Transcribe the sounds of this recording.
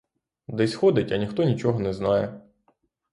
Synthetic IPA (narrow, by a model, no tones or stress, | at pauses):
d̪ɛsʲxɔd̪ɪtʲɐnʲixt̪ɔnʲit͡ʃɔɦɔnɛznɑjɛ